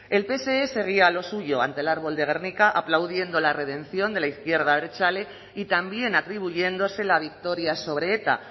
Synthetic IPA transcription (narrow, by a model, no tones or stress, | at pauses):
e̞lpe̞se̞ese̞ɣ̞iaːlo̞suʝo̞a̰nt̪elaɾβ̞o̞ld̪eɣ̞e̞rnikaʔaplawðje̞nd̪o̞lare̞ðe̞nθjo̞nd̪e̞laiθkje̞ɾðaβeɾet͡ʃale | it̪ambje̞nat̪ɾiβ̞uʝe̞nd̪o̞se̞laβ̞ik̚t̪o̞ɾjaso̞β̞ɾe̞et̪a̰